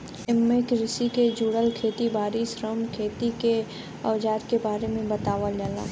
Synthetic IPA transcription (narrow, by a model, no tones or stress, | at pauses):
ɪmekɾɪsiked͡ʒuːɽəlkʰeːt̪ibaːɾisɾəmkʰeːt̪ike | ɐʋd͡ʒaːɾkebaːɾemẽbɐt̪aːʋaləːla̰ː